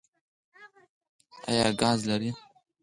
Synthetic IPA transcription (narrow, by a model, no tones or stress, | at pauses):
a̰jaːɡaːzlɐɾiː